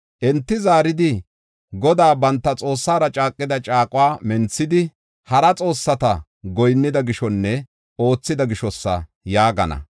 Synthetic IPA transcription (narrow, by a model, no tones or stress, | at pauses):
ʔɛnt̪ːɪzaːɾɪd̪ɪ | ɡɔd̪aːbɐnt̪ːɐt͡sʼo̞ːsːaːɾɐt͡ʃʼaːkʼːɪd̪ɐt͡ʃʼaːkʼʊwaːmɛnt͡sːɪd̪ɪ | hɐɾɐt͡sʼo̞ːsːɐt̪ɐ | ɡɔjnːɪd̪ɐɡɪʃɔnːɛ | o̞ːt͡sːɪd̪ɐɡɪʃɔsːɐ̰ | jaːɡɐnɐ̰